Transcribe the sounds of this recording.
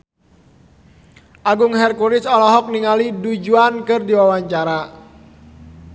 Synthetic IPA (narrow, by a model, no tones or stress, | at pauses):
ʔaɡʊŋɦɛrkuɾɪsɔlɔɦɔk̚niŋalidud͡ʒuankɨrdiwawaɲt͡ʃaɾa